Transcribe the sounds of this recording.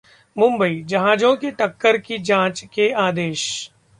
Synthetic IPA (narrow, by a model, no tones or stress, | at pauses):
mʊ̃mbəid͡ʒɐɦaːd͡ʒõkeʈɐkːəɾkid͡ʒãːt͡ʃkeaːd̪eːʃ